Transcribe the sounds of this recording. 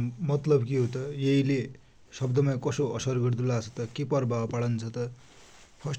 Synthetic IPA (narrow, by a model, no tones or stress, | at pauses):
mʌt̪lʌbkiɦot̪ʌjeɦile | sʌbd̪ʌmʌjkʌsoʌsʌrɡʌrd̪ulat͡sʰʌ̥t̪ʌkepʌrbapaɽʌnt͡sʰʌt̪ʌ | pʰʌs